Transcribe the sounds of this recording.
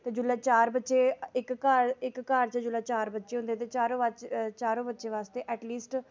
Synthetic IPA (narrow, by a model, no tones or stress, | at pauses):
t̪eːd͡ʒʊlaːt͡ʃaːɾbətːʃeːɪkːaːɾɪkːaːɾt͡ʃəd͡ʒʊlaːt͡ʃaːɾbətːʃeːɦʊ̃nd̪eːt̪eːt͡ʃaːɾõːʋat͡ʃaːɾõːbətːʃeːʋaːst̪eːʔɛːʈliːsʈ